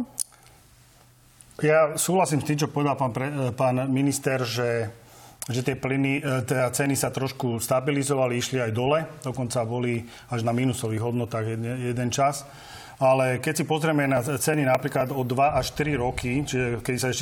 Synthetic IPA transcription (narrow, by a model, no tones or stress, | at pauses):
jasuːɦlasiːmst̪iːmt͡ʃɔpɔʋɛd̪alpapɾɛpaːnminist̪ɛɾʒɛ | ʒɛt̪ɪɛplinit̪ɛat͡sɛnisat̪ɾɔʃkust̪abilizɔʋaliiʃliajd̪ɔlɛd̪ɔkɔnt͡sabɔli | aʒnamiːnusɔʋiːɣɦɔd̪nɔt̪aːɣjɛɛjɛd̪ɛnt͡ʃas | alɛkɛcsipɔzɾɛmɛnat͡sɛninapɾiːklad̪ɔd̪ʋaʔaʃt̪ɾiɾɔkit͡ʃiʒɛkɛd̪isaɛʃcɛ